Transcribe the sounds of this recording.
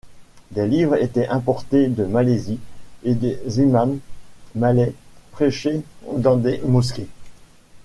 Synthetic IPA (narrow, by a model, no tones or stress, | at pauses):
d̪elivʁet̪ɛʔɛ̃pɔʁt̪ed̪əmalezied̪ezimanː | alɛpχeʃed̪ɑ̃d̪emɔs̬kʲe